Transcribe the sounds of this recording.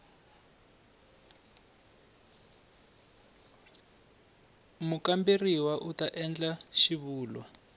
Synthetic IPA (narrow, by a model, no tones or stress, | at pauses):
mukamberiwaʔutaʔɛnd͡ɮaʃiβuːlwa